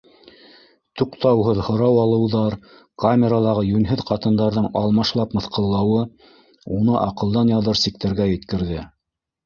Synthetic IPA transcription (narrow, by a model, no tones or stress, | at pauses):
t̪uqt̪ɑwɦɤðhŏɾɑwɑlˠɤ̆wðɑɾ | kamʲeɾalˠɑʁɤjʉnɦɘðqɑt̪ɤ̆nd̪ɑɾðɤɴɑlˠmɑʃlˠɑpmɤ̆θqɤ̆lˠːɑwɤ | unɤʔɑqɤ̆lˠd̪ɑnjɑðɤɾsik̚t̪æɾɡæjɘ̆t̪kɘ̆ɾðɘ